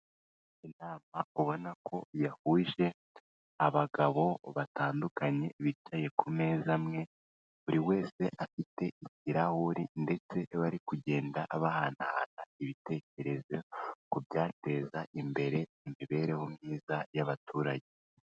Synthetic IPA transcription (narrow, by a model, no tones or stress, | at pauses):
inaːmauβo̞nakʰo̞jahuʒe̞ | aβaɡaβo̞βataːndukaɲe̞βit͡ʃaje̞kʰume̞ːzamŋe̞ | βuɾiwe̞ːse̞ʔafite̞iciɾahuɾinde̞t͡se̞βaɾikuɟe̞ːndaʔaβahanaha̰naiβite̞ce̞ɾe̞zekubɟaːte̞ːzaʔimbe̞ɾe̞ | imiβe̞ːɾe̞homɲiːzajaβatʰuːɾaɟe̞